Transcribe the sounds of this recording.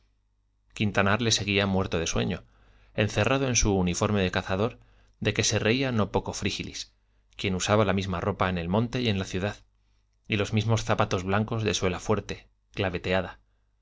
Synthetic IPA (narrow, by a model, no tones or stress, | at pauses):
kint̪anaɾle̞se̞ɣiamwe̞ɾt̪o̞ðe̞swe̞̰ɲo̞ | e̞nθe̞rað̞o̞e̞nsuːnifo̞ɾme̞ðe̞kaθaðo̞ɾ | ðe̞ke̞se̞re̞iano̞po̞ko̞fɾixilḭs | kje̞nusaβalamizmaro̞paene̞lmõ̞nt̪e̞je̞nlaθjuðað | ilo̞zmizmo̞sθapat̪o̞zβlaŋko̞zðe̞swe̞lafwe̞ɾt̪e̞ | klaβe̞t̪e̞aða